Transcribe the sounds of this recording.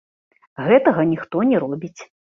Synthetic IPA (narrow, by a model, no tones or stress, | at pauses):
ɣɛt̪ɐɣɐnʲixt̪ɔnʲɛɾɔbʲit͡sʲ